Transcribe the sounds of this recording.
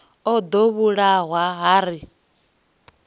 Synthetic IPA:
ɔd̪oβuɺaɦwaɦaːɾi

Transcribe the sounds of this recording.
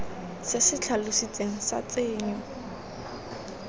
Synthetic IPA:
sɪsɪt͡ɬʰalʊsit͡sʼeŋ̩sa̰t͡sʼeːɲɔ

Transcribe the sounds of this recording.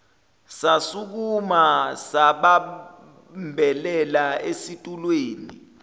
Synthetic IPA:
sasuk̬umasaɓa | mbʱɛlɛlaesitʼulweːnḭ

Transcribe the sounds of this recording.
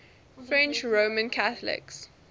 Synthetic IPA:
fɹɛ̃nt͡ʃɹoːmə̃nkʰaθəlɪ̰ks

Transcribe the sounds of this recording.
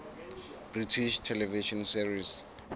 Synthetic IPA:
b̥ritʰiʃtʰɛlɛviʃɔnsivis

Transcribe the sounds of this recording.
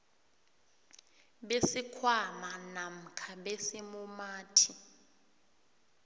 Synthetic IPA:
ɓesikʰwamanam̩kʰaɓesimumaːtʰi

